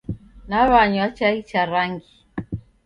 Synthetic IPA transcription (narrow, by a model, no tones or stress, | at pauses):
naβaɲwat͡ʃait͡ʃaɾaŋɡi